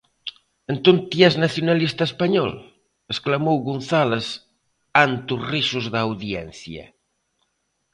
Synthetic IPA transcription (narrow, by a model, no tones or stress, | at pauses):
ent̪unt̪jɛznaθjunalist̪aespaɲɔ̰l | esklamowɣunθales | ant̪uriʃuzðaːwðjɛ̰n̟θjɐ̰